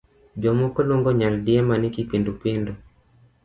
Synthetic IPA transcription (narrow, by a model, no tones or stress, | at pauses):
d͡ʒɔmɔkɔlɔŋɡɔɲaldiamanikipindupindɔ